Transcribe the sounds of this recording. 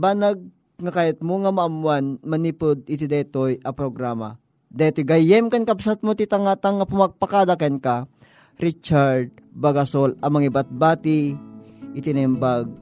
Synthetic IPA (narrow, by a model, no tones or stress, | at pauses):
banaɡ̚ | ŋakajɐt̪̚moŋɐmɐʔɐmwanmɐnipod̪̚ɪt̪id̪ɛt̪ojʔɐpɾoɡɾaːma̰ | d̪at̪ojɡɐjɛmkɐnkɐbsat̪̚mot̪it̪aŋat̪aŋːɐpʊmaɡ̚pakaːd̪akɛnka | ɾit͡ʃaɾd̪̚ | bɐɡasolɐmɐŋibat̪̚baːt̪i | ʔɪt̪ɪnɛmbaɡ̚